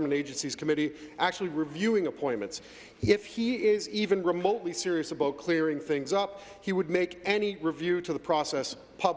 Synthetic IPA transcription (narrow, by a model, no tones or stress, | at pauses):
əmɨ̃neɪd͡ʒɨ̃n̩siz̥kʰəmɪɾiʔæk̚t͡ʃʉl̩ˠiɹɨvjʉɪ̃ŋəpʰɔ̃ɪ̃nmɨ̃nts | ɪfhiɪzivɨ̃nɹɨmoʊtˡlisɪɹiɨsəbaʊt̚kʰl̥ɪɹɪ̃ŋθɪ̃ŋzʌp̚ | hiwɨd̚meɪkɛniɹɨvjʉɾɨðəpʰɹ̥ɔsɛs | pʰʌb